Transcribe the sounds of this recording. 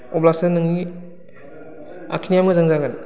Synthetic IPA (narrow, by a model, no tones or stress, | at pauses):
ɔblasɯnɯŋni | a̰kʰinijamɡɯzaŋzaɡɯn